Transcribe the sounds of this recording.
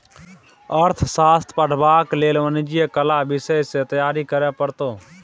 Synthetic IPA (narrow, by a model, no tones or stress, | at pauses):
əɾt̪ʰsaːst̪pəʈbaːkleːlʋəniːd͡ʒɪeːkəlaːbɪseːɪseːt̪əjaːɾiːkəɾjaːpəɾt̪oː